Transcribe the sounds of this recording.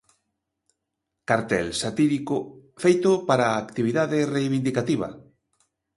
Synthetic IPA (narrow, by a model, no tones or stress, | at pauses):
kaɾt̪ɛlsat̪iɾikofejt̪opaɾaːkt̪iβiðaðɪrejβind̪ikat̪iβ̞ɐ̰